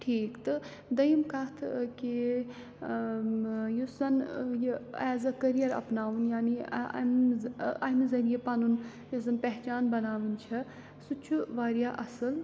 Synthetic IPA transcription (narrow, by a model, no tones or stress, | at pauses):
ʈʰiːkt̪ɨ | d̪ɐjimkɐt̪ʰki | jusɐnjɛːzɐkɐɾijɐɾɐ̰pnaːʋunjaːnḭmɐmzɐɾijepɐnun | jɐs̬ɐnpɛɦt͡ʃaːnbɐnaːʋɨnt͡ʃʰɐ | sut͡ʃʰuʋaːɾijaʔɐsɨl